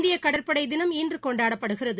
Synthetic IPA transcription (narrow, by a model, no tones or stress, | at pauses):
d̪ɪjɐkɐɽɐrpɐɽɐɪd̪ɪnɐmiːndrɯkɔɳɖaːɽɐpːɐɽɯɣɪrɐðɯ